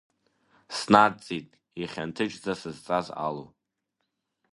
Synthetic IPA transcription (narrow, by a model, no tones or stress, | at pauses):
snadt͡sʼitʼ | iχʲantʰɨt͡ʃʼd͡zasɨzt͡sʼaza̰lo̰